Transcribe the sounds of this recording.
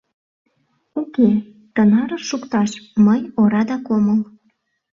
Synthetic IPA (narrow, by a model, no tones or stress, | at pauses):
uke | tənɑɾəʃukt̪ɑʃməjoɾɑd̪ɑkoməl